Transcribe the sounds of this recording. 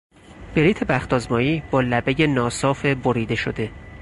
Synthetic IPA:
b̥e̞ɾiːt̪ʰe̞bæxt̪ɒːzmɒːiːb̥ɒːlæbeje̞nɒːsɒːfeboɾiːd̪e̞ʃod̪e̞

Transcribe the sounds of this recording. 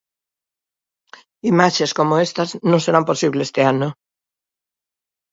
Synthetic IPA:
imaʃeskomoest̪aznõŋseɾamposiβlest̪eano

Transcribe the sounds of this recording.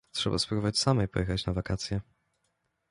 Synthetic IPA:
tʂɛba̰spɾbɔvat͡ɕʲsamɛjpɔ̰jɛxat͡ɕnavakat̪sʲjɛ

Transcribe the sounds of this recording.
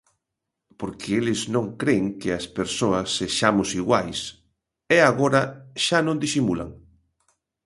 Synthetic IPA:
poɾkʰɪelɪznõŋkɾeŋkɪɐspeɾsoɐsːeʃamʊsiɣwajs | ɛaɣoɾɐʃanõnd̪isimula̰ŋ

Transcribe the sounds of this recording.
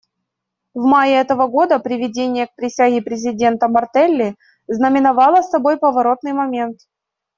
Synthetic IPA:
vmajəɛt̪əvəɡo̞d̪əpɾʲɪvʲɪdʲenʲɪjək̚pɾʲɪsʲaɣʲɪpɾʲɪzʲɪdʲe̞nt̪əmɐrt̪ɛlʲːɪ | znəmʲɪnɐvɑlˠəsːɐbo̞jpəvɐɾo̞t̪̚nɨjmɐmʲe̞nt̪

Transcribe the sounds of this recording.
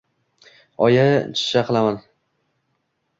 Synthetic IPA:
ɒjat͡ʃʰɪ̥ʃaqʰɨlˠaman

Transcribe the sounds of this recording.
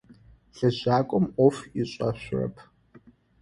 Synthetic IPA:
ɬɐʑaːkʷʼɔmɔfiɕʼɐɕʷʊrɐ̰pʰ

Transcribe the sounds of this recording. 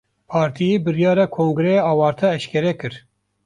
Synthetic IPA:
pʰɑːɾt̪ʰijeːbɨɾjɑːɾɑːkʰoːŋɡɨɾɛɑːwɑːɾt̪ʰɛɛʃkʲʰɛɾɛkɨɾ

